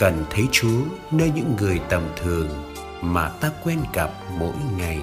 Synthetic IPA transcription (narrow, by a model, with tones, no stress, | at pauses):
kə˨˩nt̪ʰə˨˦jt͡ɕu˨˦ənəː˧jɲɨ̰˧˥ŋːɨ˨˩əjt̪ə˨˩mt̪ʰɨ˨˩əŋ | maː˨˩t̪aː˧kwɛ˧nka˨˩p̚mo̰˧˥jŋa˨˩j